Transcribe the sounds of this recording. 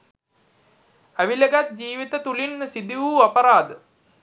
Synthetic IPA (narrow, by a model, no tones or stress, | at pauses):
æʋiləɡat̪̚d͡ʒiːʋit̪ət̪ulinsid̪iʋuːapəɾaːd̪ə